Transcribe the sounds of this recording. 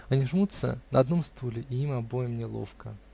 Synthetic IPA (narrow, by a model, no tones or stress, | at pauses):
ɐnʲiʐmut̪sə̰nəɐd̪no̞mst̪ʰulʲɪʔɪimɐbojəmnʲɪlˠo̰fkə̰